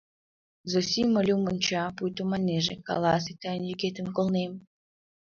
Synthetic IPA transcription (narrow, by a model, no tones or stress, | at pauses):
zosʲiməlʲumənʲt͡ɕɑpujt̪omɑnʲeʒḛkɑ̰lɑs̬it̪ɑjənjyɣet̪əmkolnem